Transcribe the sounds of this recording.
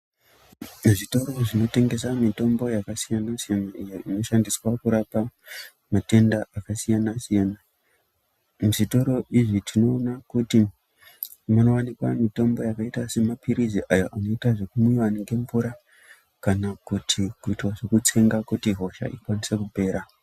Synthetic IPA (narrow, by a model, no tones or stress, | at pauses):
ʐito̞ɾo̞ʐino̞te̞ŋɡe̞samito̞mbo̞jakasijanasijanaijeino̞ʃandiswakuɾapa | mate̞ndaʔakasijanasijana | mʐito̞ɾo̞ʔiʐitʰino̞ːnakuti | mano̞wanikwa̰mito̞mbo̞jakaitase̞mapiɾiziʔajoʔano̞itaʐe̞kumujaneŋɡe̞ɱvuɾa | kanakutʰikuitwaʐe̞kut͡se̞ŋɡakutiɦo̞ʃa̰ʔikwanisekupe̞ːɾa